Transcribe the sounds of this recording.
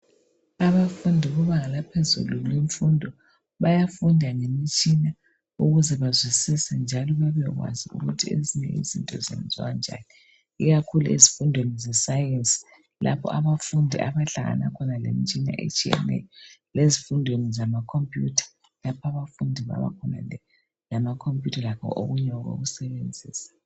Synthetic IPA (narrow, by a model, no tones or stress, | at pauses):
aβafundʱiβɔβaŋalapʰezṵluliɱfundʱɔ | βajafundʱaŋemit͡ʃʼina | uɣuzɛβazwisisɛnd͡ʒʱalɔβɛβɛɣwa̰ziṵɣutʰiḛziɲɛ̰ḭzintʼɔ̰zɛ̰nd͡zʱand͡ʒʱa̰ni | iɣakʰuluḛzifundʱwenizɛsajensʼi̥ | la̰pʰɔ̰ʔaβafundʱiʔaβaɬaɣa̰na̰kʰɔnalḛmit͡ʃʼina̰ʔḛt͡ʃʰʼiɛ̰nḛjɔlezifundʱwenizamakʰompʼjutʰḁ | lapʰaβafundʱiβa̰βa̰kʰɔna̰ɛ | lamakʰompʼjutʰalakʰɔ̰ʔo̰ɣuɲɛwɣo̰ɣusɛβend͡zʱiːsḁ